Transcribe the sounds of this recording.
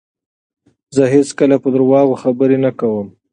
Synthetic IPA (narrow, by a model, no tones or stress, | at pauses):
zəɦeskəlapəd̪əɾwɑɣoxabəɾenakawəm